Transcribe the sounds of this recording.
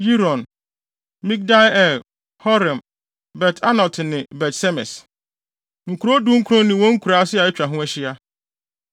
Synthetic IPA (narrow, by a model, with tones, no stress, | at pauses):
ji˦ɾɔ̃˨n | mĩ˦k̚da˦jɛ˨l | hɔ˦ɾɪ̃˨m | bɛ˨tʰa˦nɔ˨ltʰɪ˨nɪ̃˨bɛ˨tsɛ˦mɛ̰˨s | ŋ̩˨kʰu˨ɾo˦dũ˦ŋ̩˦kʰu˦ɾɔ̃˦nĩ˨wɔ̃˦ŋ̩˦kʰu˨ɾaː˦sɪ˦a˨ɪ˦t͡ɕᶣɾa˨ɦʊ̃˦æ˦ɕɪ˦a˦